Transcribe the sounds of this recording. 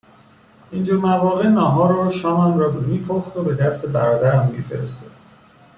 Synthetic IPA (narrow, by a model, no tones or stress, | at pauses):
ind͡ʒuɾmævɒːɣe̞nɒːɦɒːɾɒːʃɒːmæmrɒːmiːpʰoχt̪obe̞d̪æst̪ebæɾɒːd̪æɾæmːḭːfe̞̰ɾḛst̪o̰d̪̥